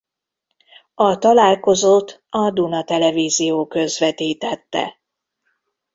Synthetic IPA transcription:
ɒt̪ɒlaːlko̞zot̪ːɒd̪unɒt̪ɛlɛviːzijoːkø̞zʋɛt̪iːt̪ɛt̪ːɛ̰

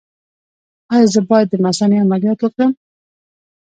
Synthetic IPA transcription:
ɑjɑzəbɑjad̪ːəmasɑneamalijɑt̪wokɾəm

